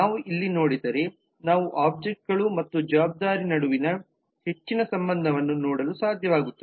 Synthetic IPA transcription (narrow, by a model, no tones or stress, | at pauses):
naːʋuʔilːinoːɽid̪ɐɾe̞ | naːʋuʔaːb̚d͡ʒek̚ʈɡɐɭumɐt̪ːud͡ʒɐʋaːb̚d̪aːɾinɐɽuʋinɐ | he̞t͡ʃːinɐsɐmbɐnd̪ʱɐʋɐnːunoːɽɐlusaːd̪ʱjɐʋaːɡut̪ːɐe